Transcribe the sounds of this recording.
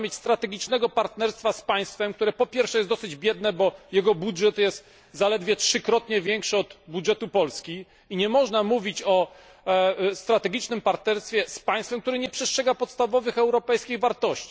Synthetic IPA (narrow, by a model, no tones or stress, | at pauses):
mʲjet͡ɕʲst̪ɾat̪ɛɡʲit͡ʂnɛɡɔpaɾt̪nɛɾst̪faspaj̃st̪fɛmk̚t̪uɾɛpɔpʲjɛɾfʂɛjɛsɔsɘd͡ʑbʲjɛd̪nɛbɔjɛɡɔbudʐɛt̪jɛst̪ | zalɛd̪vʲjɛtʂɘkɾɔt̪ɲɛvʲjɛŋkʂɘɔd̪budʐɛt̪upɔlskʲi | iɲɛmɔʐnamuvʲit͡ɕɔ | st̪ɾat̪ɛɡʲit͡ʂnɘmpaɾt̪nɛɾst̪fʲjɛspaj̃st̪fɛmkt̪uɾɘɲɛpʂɛstʂɛɡapɔt̪st̪avɔvɘxɛwɾɔpɛjskʲiɣvaɾt̪ɔɕt͡ɕi̥